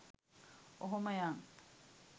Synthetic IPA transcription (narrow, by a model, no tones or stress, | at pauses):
oɦomɐjaːŋ